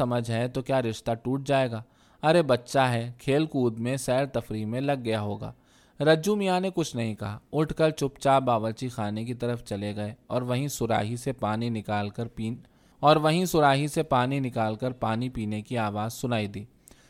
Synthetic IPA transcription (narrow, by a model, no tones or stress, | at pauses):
ɐməd͡ʒʱɦɛt̪okjaːɾɪʃt̪aʈuːʈ̚d͡ʒaːeːɡaː | ɐɾebɐtːʃaɦɛkʰeːlkuːd̪mẽsɛːɾt̪ɐfɾimẽlɐɡːɐjaɦoːɡa̰ː | ɾɐd͡ʒumijanekʊt͡ʃʰnɐɦĩkɐɦaʊʈʰkəɾt͡ʃʊpt͡ʃaːbaːʋəɾt͡ʃixaːnek̬it̪ɐɾəft͡ʃɐleɡɐeɔːɾʋɐɦĩsʊɾa̰ːɦisepaːninɪkaːlkɐɾpiː | ɔːɾʋɐɦĩsʊɾaːɦisepaːninɪkaːlkɐɾpaːnipiːnekiaːʋaːzsʊnaːid̪iː